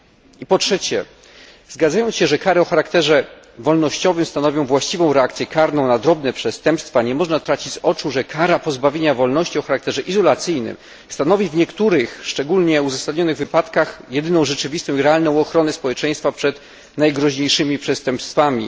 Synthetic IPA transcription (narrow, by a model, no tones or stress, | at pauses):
ipɔtʂɛt͡ɕɛ̰ | zɡad̪zajɔnsɕɛʐɛkaɾɛɔxaɾakt̪ɛʐɛ | vɔlnɔɕt͡ɕɔvɘmst̪anɔvʲjɔ̃w̃vwaɕt͡ɕivɔ̃w̃ɾɛakt̪sʲjɛkaɾnɔ̃w̃nad̪ɾɔbnɛpʂɛst̪ɛmpst̪faɲɛmɔʐnat̪ɾat͡ɕit͡ɕzɔt͡ʂuʐɛkʰaɾapɔzbavʲjeɲavɔlnɔɕt͡ɕiɔxaɾakt̪ɛʐɛʔizɔlat̪sɘjnɘ̰m | st̪anɔvʲivɲɛkt̪uɾɘxʂt͡ʂɛɡulɲɛuzasad̪ɲɔnɘɣvɘpat̪kaxjɛd̪ɘnɔ̃w̃ʐɛt͡ʂɘvʲist̪ɔ̃w̃iɾɛalnɔ̃w̃ɔxɾɔnɛspɔwɛt͡ʂɛjst̪fapʂɛt̪ | najɡɾɔʑɲejʂɘmʲipʂɛst̪ɛmpst̪famʲi